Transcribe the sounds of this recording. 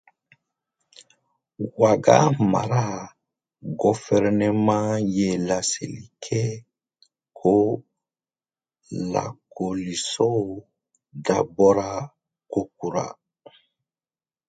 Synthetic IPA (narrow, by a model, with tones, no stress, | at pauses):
wa˨ɡa̰˦ma̰˨ɾa˦ | ɡo˨fɛ˦ɾɛnɛ˨mã˦je˦la˨sḛ˨li˨kʰɛ˦ | kʰo˦ | la̰˨ko˨li˨sɔ˦o˨ | da˨bɔ˦ɾa˦ | ko˦k̚u˨ɾa̰˨